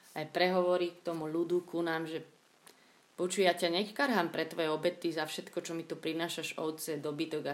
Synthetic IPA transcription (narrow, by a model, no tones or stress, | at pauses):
ajpɾɛɦɔʋɔɾikt̪ɔmulud̪ukunaːmʒɛ | pɔt͡ʃujacaɲɛkkaɾɦampɾɛt̪ʋɔjɛɔbɛt̪izafʃɛt̪kɔt͡ʃɔmit̪upɾinaːʃaʒɔʊt͡sɛd̪ɔbit̪ɔɡa